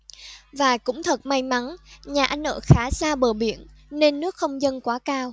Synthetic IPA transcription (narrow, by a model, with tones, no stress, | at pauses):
vaː˨˩kʊ̰˧˥ŋ͡mt̪ʰə˨˩t̚ma˧jma˨˦nɲaː˨˩ʔa˧jn̟ʔə̰ː˧˩xaː˨˦saː˧ɓəː˧˩ɓi˧˩ənne˧nːɨ˦˥ək̚xə˧wŋ͡mzə˧nkwaː˨˦kaː˧w